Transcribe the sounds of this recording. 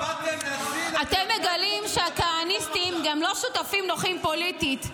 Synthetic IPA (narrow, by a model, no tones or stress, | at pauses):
atemːeɡalimʃeakaanist̪imɡamlo̞ʃutafimno̞χimpo̞litit